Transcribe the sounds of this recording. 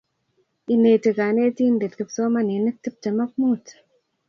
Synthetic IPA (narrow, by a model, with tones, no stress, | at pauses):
i˨ne˨tə˨ka˨ne˦ti˦nde˨tkə˨pso˦ma˦ni˨nə˦k̚ti˦p̚tə˨ma˦k̚muː˦t